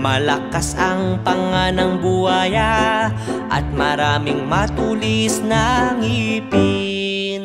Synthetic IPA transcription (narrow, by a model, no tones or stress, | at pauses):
mɐlɐkasɐŋpɐŋanɐŋbuhaːja | ʔɐ̰t̪̚mɐɾaːmɪŋmɐt̪ulisnɐŋipi | n